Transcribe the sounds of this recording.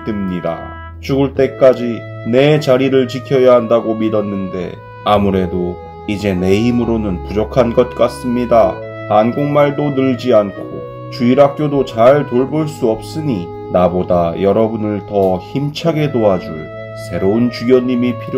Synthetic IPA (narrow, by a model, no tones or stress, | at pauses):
tɯmɲida̰ | t͡ɕuɡuɭt͈e̞k͈ad͡ʑi | ne̞t͡ɕaɾiɾɯɭt͡ɕikʰjʌjaɦandaɡomidʌnːɯnde̞̰ | amuɾe̞do | id͡ʑe̞ne̞ɦimɯɾonɯnpud͡ʑʌkʰanɡʌt̚k͈as͈ɯmɲida | hanɡoŋmaɭdonɯɭd͡ʑiankʰo | t͡ɕuiɾɦak̚k͈jodot͡ɕaɭtoɭboɭs͈uʌp̚s͈ɯɲi | nabodajʌɾʌbunɯɭtʌçimt͡ɕʰaɡe̞doad͡ʑuɭ | sʰe̞ɾount͡ɕujʌɲːimipʰiɾ